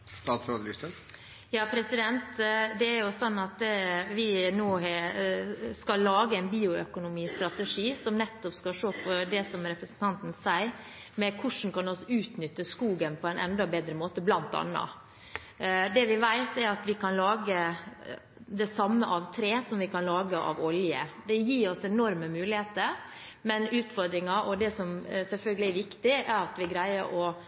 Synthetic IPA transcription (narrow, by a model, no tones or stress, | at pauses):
ɑfɑd̪lɪst̪ə | jɑːpʰɾɛsɪd̪ɛnt̪d̪ɛːɾjʊsɔnːɑt̪ʋɪnoːhɛ | skɑlːɑːɡəæɪnbiːʊœkʊnʊmiːst̪ɾɑt̪əʂiːsɔmnɛt̪ːɔpskɑʂoːpʰɔd̪ɛsɔmɾɛpɾəsn̩t̪ʰɑnt̪n̩sæɪ | mɛkʰʊʂn̩kɑnɔsɔʉːt̪nʏt̪ːəskuːɡənpʰɔæɪnʔɛ̰nd̪ɑbeːd̪ɾəmoːt̪əblɑnt̪ɑ̰nːɑ̰ | d̪ɛʋɪʋæɪt̪ɛɾɑt̪ʋɪkʰɑnlɑːɡə | d̪ɛsɑmːəʔɑʋt̪ʰɾeːsɔmʋɪkʰɑnlɑːɡəʔɑ̰ʋɔljəd̪ɛjiːɾɔsɛnɔɾməmʉːlɪheːt̪əɾ | mɛnʉːt̪fɔɾd̪ɾɪŋɑʔɔd̪ɛsɔmsɛlfœlɡəlɪæɾʋɪkt̪ɪæɾɑt̪ʋɪɡɾæɪəʔɔ